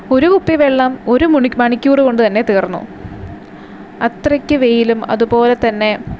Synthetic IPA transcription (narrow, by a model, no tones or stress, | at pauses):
o̞ɾukupːiʋeɭːɐmo̞ɾumumɐɳikʲːuːrɨko̞ɳɖɨt̪ɐnːe̞t̪iːrnːṵ | ɐt̪rɐkʲːɨʋe̞jilumɐ̰ðupo̞ːle̞t̪ɐnːe̞